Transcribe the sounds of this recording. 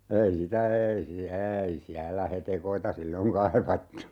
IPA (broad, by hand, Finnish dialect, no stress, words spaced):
ei sitæ eːi siæ eːi siælːæ hetekoitɑ silːoŋ kɑiʋɑtːu